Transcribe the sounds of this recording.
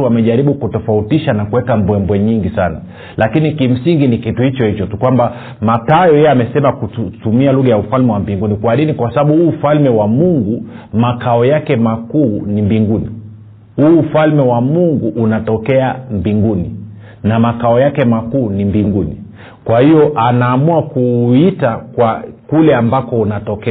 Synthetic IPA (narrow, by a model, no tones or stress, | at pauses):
uamɛʄaɾiɓukutɔfautiʃanakuwɛkambwɛmbwɛɲiŋɡisana̰ | lʔakinikim̩siŋɡinikituhit͡ʃɔhit͡ʃɔtukwamba | matajɔjɛɛamɛsɛmakutumialuɣajaufalmɛwambiŋɡunikwaninikwasaɓaɓuhuːfalmɛwamuŋɡumakaɔjakɛmakuːnimbiŋɡuni | huːfalmɛwamuŋɡuʔːnatɔkɛambiŋɡuni | namakaɔjakɛmakuːnimbiŋɡunḭ | kwahiɔʔanaːmuakuitakwakulɛambakɔunatɔkɛ